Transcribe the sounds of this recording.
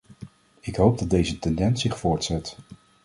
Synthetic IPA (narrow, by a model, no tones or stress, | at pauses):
ɪkɦowb̚dɑd̚dejzətɛndɛnsɪχfʊːɹtsɛt